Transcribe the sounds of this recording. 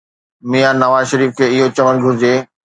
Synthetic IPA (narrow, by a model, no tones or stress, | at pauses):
mijanɐʋaːzʃɐɾiːfkʰeːɪɦot͡ɕɐməkɡʱʊɾɪd͡ʑeː